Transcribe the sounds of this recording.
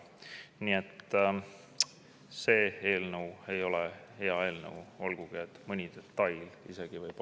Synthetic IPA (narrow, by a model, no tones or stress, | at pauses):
nie̞t̪ː | se̞ːe̞ːlnəwe̞jo̞lehe̞ɑe̞ːlnə̰wo̞lɡ̥uɡ̥iet̪ːmɤnʲid̪̥e̞t̪ːɑjlise̞ɡ̥ivɯjp